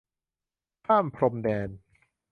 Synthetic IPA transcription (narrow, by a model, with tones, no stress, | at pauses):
kʰaː˥˩mpʰɾo˧mdɛː˧n